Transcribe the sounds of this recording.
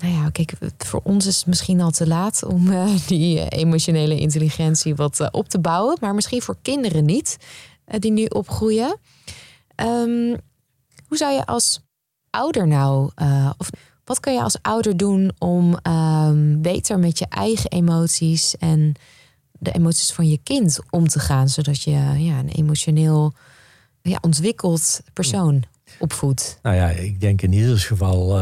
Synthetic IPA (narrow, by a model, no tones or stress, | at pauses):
najakɛjkfʊ̰ːɹɔnsɪsətmɪsχinɑlˠtəlaːtɔ̰mdḭḛjmoʃonejləʔɪ̰ntəliχɛntsiʋɑtʔɔp̚təbawəmaːɹmɪsχinvʊːɹkɪndərənit | dinyʔɔpχrujə | ʔəm | ɦuzawjəʔɑlˠs | ʔʌwdəɹnawəɔf | ʋɑtkɑnjəɑ̰lˠsʔʌwdəɹdunɔm | bejtəɹmɛtjəʔɛjχəʔemowtsisɛn | dəʔḛmowtsi̥sfɑnjəkɪntɔmtəχaːnzowdɑtjəjaənḛjmoʃonɪːlˠ | ja̰ːʔɔntʋɪkəlˠtpəɹsown | ʔɔpfutnajaɪɡ̚dɛŋkɪnidəlsχəvɑlˠ